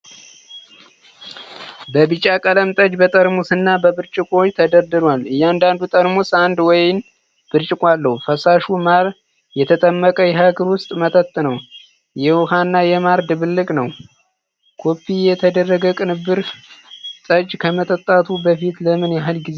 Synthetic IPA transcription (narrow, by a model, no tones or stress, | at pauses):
bəbɨt͡ʃʼːakʼələmt̪ʼəd͡ʒbət̪ʼəɾmusɨnːabəbɨɾt͡ʃʼɪkʼo̞t͡ʃːt̪ʰəd̪əɾd̪ɨɾwalɨjːand̪and̪ut̪ʼəɾmusand̪wɔjɪn | b̥ɨɾt͡ʃʼɪkʼalːəhufəsaʃumaɾ | jɛt̪ʰət̪ʼəmːəkʼəjɛɦaɡəɾwʊst̪ʼmət̪ʰət̪ʼːnəw | jɛwɔhanːajɛmaɾd̪ɨβɨlːɨkʼnəw | kʰo̞pːijɛt̪ʰəd̪ərːəɡəkʼɨnɨbːɨɾ | t̪ʼəd͡ʒkʰəmət̪ʼət̪ʼːat̪ʰubəfit̪ləmɨnjaɦɨlɡiz